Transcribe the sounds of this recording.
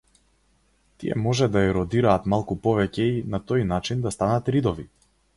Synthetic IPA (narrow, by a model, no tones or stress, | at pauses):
t̪ijɛ̰mɔʒɛd̪aɛɾɔd̪iɾaːt̪malˠkupɔvɛcɛinat̪ɔjnat͡ʃind̪ast̪anat̪ɾid̪ɔvi